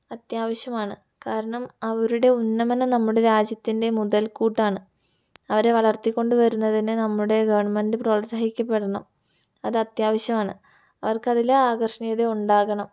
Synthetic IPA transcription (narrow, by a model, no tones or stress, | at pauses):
ɐt̪jaːʋɐɕjɐmaːɳɨ | kaːɾɐɳɐmɐʋɐɾuɽe̞unːɐmɐnɐnɐmːuɽe̞ɾaːd͡ʑjɐt̪ːinde̞muðɐlkuːʈːaːɳɨ | ɐʋɐɾeʋɐɭɐrt̪ːikʲːo̞ɳɖɨʋɐɾunːɐðinɨnɐmːuɽe̞ɡɐʋɐrɳɐmendɨproːsaːɦikʲːɐpːe̞ɽɐɳɐm | ɐðɨɐt̪jaːʋɐɕjɐmaːɳɨ | ɐʋɐrkɨɐðilɐaːɡɐrʂɐɳijɐðeuɳɖaːɣɐɳɐm